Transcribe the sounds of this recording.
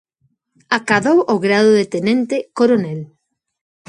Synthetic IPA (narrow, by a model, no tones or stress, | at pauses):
akaðowʔoɣɾaðoðet̪enɛnt̪ekoɾonɛl